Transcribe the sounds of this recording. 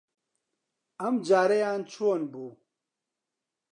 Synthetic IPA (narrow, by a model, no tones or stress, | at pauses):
ɐmd͡ʒaːɾɐjaːnt͡ʃʰuonbuː